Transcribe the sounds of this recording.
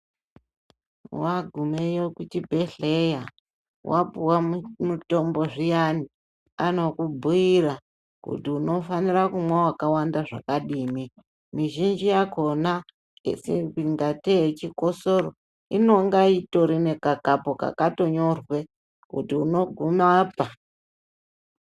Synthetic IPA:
waɡʱumejokutibʱe̞ɬeja | wʔapuwamuto̞mbo̞ʐijani | ano̞kubʱuira | kṵtiuno̞faniɾakumwawakawandaʐa̰kaɗiːmi | miʒind͡ʒijako̞na | ḛsekiŋɡateet͡ʃiko̞so̞ɾo̰ | ino̞ŋɡaito̞ɾine̞kakapoka̰kato̞ɲo̞rwe̞ | kṵtiuno̞ɡʱumaːpa

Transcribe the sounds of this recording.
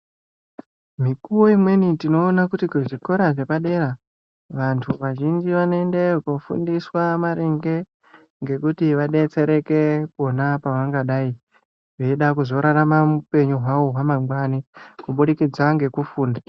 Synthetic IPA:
mikuwo̞imwe̞nitino̞ːnakutikuʐiko̞ɾaʐe̞paɗe̞ɾa | ʋantʰuʋaʒind͡ʒiʋanoende̞kufṵndiswamaɾeŋɡe̞ | ŋɡe̞kutiʋaɗe̞t͡se̞ɾe̞ke̞konapaʋaŋɡaɗaːi | ʐeiɗakuzo̞ɾaɾamamupe̞ɲuɦwaoɦwamaŋɡwanikuɓuɗikid͡zaŋɡe̞kufuːnda

